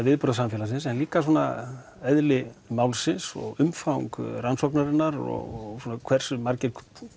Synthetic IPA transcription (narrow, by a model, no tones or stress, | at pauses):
vɪðpɔɾðasamfjɛlas̬ɪnsɛnliːkas̬ɔːna̰ | ɛðlɪmawlsɪnsɔ̰ɣʏmfawŋkransɔknaɾɪnːaɾɔ̰ɣsuːnakʰvɛr̥sʏmaɾcɪɾk